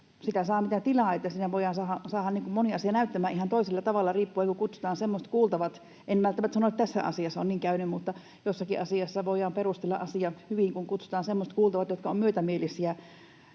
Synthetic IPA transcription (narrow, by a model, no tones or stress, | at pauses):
sit̪æsɑːmit̪æt̪ilɑːˑet̪ːæsiːnæʋoijɑnsɑhɑsɑːhɑniːŋkummoniɑsiɑnæyt̪ːæmæːʔihɑnt̪oiselːɑt̪ɑʋɑlːɑriːpːuɑkukut̪su̥t̪ɑːnsemːost̪kuːlt̪ɑʋɑt̪ | ʔenmælt̪ːæmæt̪sɑnoet̪t̪æsːæ̰ɑ̰siɑsːɑonniːŋkæynymmut̪ːɑ | josːɑkiʔɑsiɑsːɑʋoˑjˑɑːmperust̪elːɑ̰ʔʔɑsiɑhyʋiŋkuŋkut̪su̥t̪ɑːnsemːost̪kuːlt̪ɑʋɑt̪jot̪kɑommyøt̪æmielisiæ